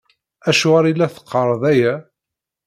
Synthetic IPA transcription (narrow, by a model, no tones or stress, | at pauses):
æʃʊʁaɾilːæθə̥qːəɾˤðˤæjæ